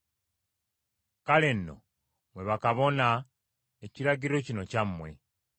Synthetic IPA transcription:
kalenːo̞̰ | mwe̞βakaβo̞na | eciɾaɟiɾo̞cinocamːwe̞̰

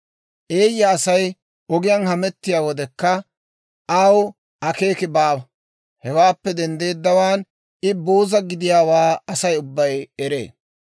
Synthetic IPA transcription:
ʔe̞ːjːɐːsɐj | ʔɔɡɪjɐnhɐmɛt̪ːɪjaːwɔd̪ɛkːɐ | ʔɐw | ʔɐke̞ːkɪbaːbɐ | hɛwaːpːɛd̪ɛnd̪e̞ːd̪ːɐwaːn | ɪboːzɐɡɪd̪ɪjaːwaːɐsɐjʊbːɐjɛɾe̞̰ː

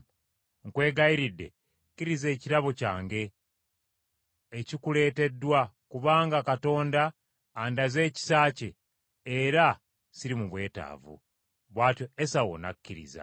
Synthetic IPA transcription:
ŋkwe̞ːɡaiɾidːe̞̰ | kːiɾize̞ːciɾaβocaːŋɡe̞ | cikule̞ːte̞dːwa | kuβaːŋɡakato̞ːndaː | ndaze̞ːci̥saːce̞ | eɾa | siɾimuβwe̞ːta̰ːvṵ | βwaːtjo̞esawo̰nakːiɾḭza̰

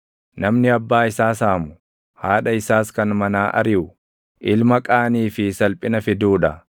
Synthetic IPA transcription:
nɐmnɪɐbːaːɪsaːsaːmʊ | haːᶑɐɪsaːskɐnmɐnaːʔɐ̰ɾɪʔʊ | ʔɪlmɐkʼaːniːfɪsɐlpʼɪnɐfɪd̪uːᶑɐ

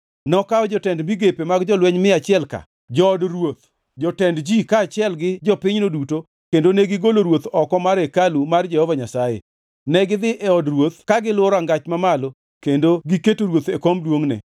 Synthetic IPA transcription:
nɔkaɔd͡ʒɔtɛndmiɡepemaɡd͡ʒɔlwɛɲmɪat͡ʃɪɛlka̰ | d͡ʒɔːdrwot̪ | d͡ʒɔtɛndd͡ʒikaːt͡ʃɪɛlɡɪd͡ʒɔpɪɲnoduto | kendonɛɡɪɡoloɾwot̪ɔkɔmaɾekalumard͡ʒɛhɔvaɲasajḛ | nɛɡɪd̪ɪʔɛɔdrwot̪kaɡɪlwɔɾaŋɡat͡ʃmamalo | kendoɡiketoɾwot̪ekɔmdwoŋnɛ̰

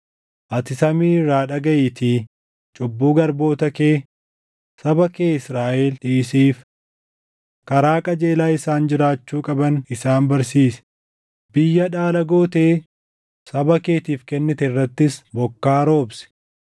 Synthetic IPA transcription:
ʔɐt̪ɪsɐmiːraːᶑɐɡɐjɪt̪ʰiː | t͡ʃʼʊbːuːɡɐɾbo̞ːt̪ɐkeː | sɐbɐkeːɪsɾaːʔelᶑɪʔɪsiːf | kɐɾaːkʼɐd͡ʒeːlaːɪsaːnd͡ʒɪɾaːt͡ʃːuːkʼɐbɐnɪsaːnbɐɾsiːsɛ̥ | bɪjːɐᶑaːlɐɡoːt̪eː | sɐbɐke̞ːt̪iːfkɛnːɪt̪ɛrːɐt̪ːɪsbɔkːaːɾo̞ːbsɛ̥

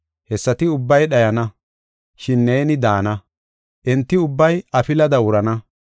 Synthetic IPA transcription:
hɛsːɐt̪ɪʊbːɐjɗɐjɐnɐ | ʃɪnːeːnɪd̪aːnɐ | ʔɛnt̪ːɪʊbːɐjʔɐfɪlɐd̪ɐwʊɾɐnɐ

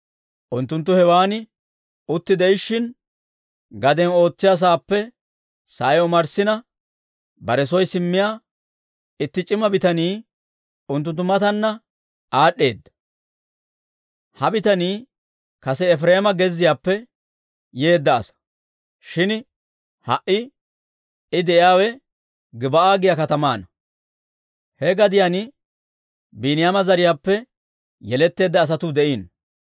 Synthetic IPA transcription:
ʔʊnt̪ːʊnt̪̬ːʊhɛwaːnɪ | ʊt̪ːɪd̪ɛjɪʃːɪn | ɡɐd̪ɛno̞ːt͡sːɪjɐs̬aːpːɛ | saːjɔmɐɾsɪnɐ | bɐɾɛsɔjsɪmːɪjaː | ɪt̪ːɪt͡ʃʼːɪmɐbɪt̪ɐniː | ʊnt̪ːʊnt̪ːʊmɐt̪ɐnːɐ | ʔaːɗːe̞ːd̪ːɐ̥ | hɐbɪt̪ɐniː | kɐsɛːfɾeːmɐɡɛzːɪjaːpːɛ | je̞ːd̪ːɐːsɐ̥ | ʃɪn | hɐʔɪ | ɪd̪ɛʔjjaːwɛ | ɡɪbɐaːɡɪjakɐt̪ɐmaːnɐ | hɛɡɐd̪ɪjanɪ | biːnɪjamɐzɐɾɪjaːpːɛ | jɛlɛt̪ːe̞ːd̪ːɐːs̬ɐt̪ʊd̪ɛʔiːn

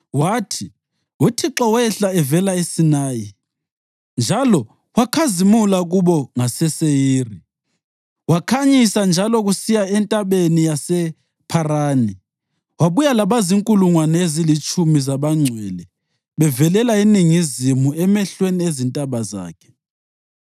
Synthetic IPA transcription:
waːtʰi | wutʰiǁɔwɛɬaɛvɛlaesinaːji | nd͡ʒʱalɔ | wakʰazimulaɣuβɔŋasɛsejiːri | wakʰaɲisand͡ʒʱalɔɣusijaɛntʼaβenijasɛ | pʰaraːni | waβujalaβaziŋkʼuluŋwanɛezilit͡ʃʼumizaβaŋ͡ǀʱwɛlɛ | βɛvɛlɛlainiŋizimuɛmɛɬweniezintʼaβaza̰ːkʰɛ̥

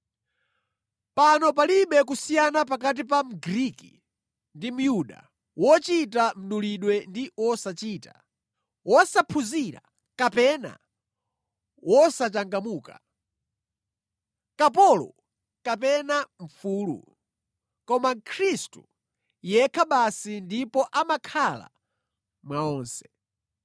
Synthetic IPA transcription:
panɔp̬aliɓɛk̬usijanap̬akat̬ipam̩ɡɾikḭ | ndim̩juɗa̰ | wɔt͡ʃit̬am̩ɗuliɗwɛndiwɔsat͡ʃiːta̰ | wɔsapʰuziɾa̰ | kapɛna̰ | wʔɔsat͡ʃaŋɡamuːka̰ | kap̬ɔlɔ̰ | kapɛnaɱ̩fuːlṵ | kɔmakʰɾistu | jɛkʰaɓasindipɔʔamakʰala̰ | mwaɔːnsɛ̥

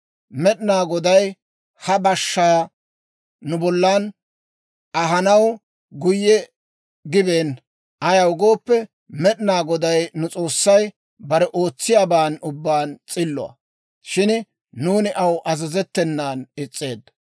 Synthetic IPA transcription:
mɛɗɪnaːɡɔd̪ɐj | hɐbɐʃːɐ | nʊbɔlːan | ʔɐɦɐnɐw | ɡʊjːɛ | ɡɪbeːn | ʔɐjɐwʊɡo̞ːpːɛ | mɛɗɪnaːɡɔd̪ɐjnʊt͡sʼo̞ːsːɐj | bɐɾɛʔo̞ːt͡sːɪjaːbaːnʊbːaːnt͡sʼɪlːɔ̰ɐ̰ | ʃɪn | nuːnɪʔɐwʔɐzɐzɛt̪ːɛnːaːnɪt͡sʼːe̞̰ːd̪ː

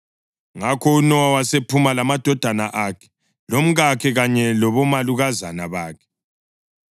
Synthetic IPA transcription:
ŋakʰɔunɔwawasepʰumalamad̥ʱɔd̥ʱanaʔaːkʰɛ̥ | lom̩ɣakʰɛɣaɲɛlɔβɔmaluɣaza̰naβaːkʰɛ̥

